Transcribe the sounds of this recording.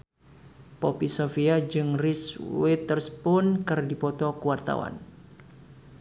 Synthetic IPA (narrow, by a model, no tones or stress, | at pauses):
pɔpisofiad͡ʒɨŋriswɛt̪ərspʊnkɨrdipɔt̪ɔkəwart̪a̰wa̰n